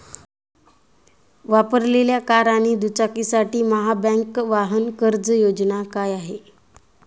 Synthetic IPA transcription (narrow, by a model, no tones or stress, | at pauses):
ʋapəɾleljakaɾañiːd̪ut͡sakisaʈiːməɦabɛ̃ŋkʋaɦənkəɾd͡zəjod͡znakajaɦe